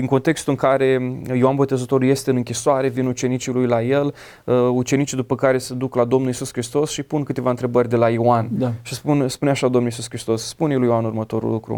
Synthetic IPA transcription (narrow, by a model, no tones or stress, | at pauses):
d̪iŋko̞nt̪e̞kst̪uɨŋkaɾe̞jioanbo̞t̪e̞zət̪o̞ɾuje̞st̪eɨnɨŋkʲisoaɾe̞vinut͡ʃe̞nit͡ʃilujlaje̞l | əut͡ʃe̞nit͡ʃid̪upəkaɾe̞səd̪uklad̪o̞mnulisuskɾist̪o̞sʃipunkɨt̪evaɨnt̪ɾe̞bərʲd̪e̞laioanʃispunspuneaʃad̪o̞mnulisuskɾist̪o̞sːpunjiljoanurmət̪o̞ɾṵlukɾṵ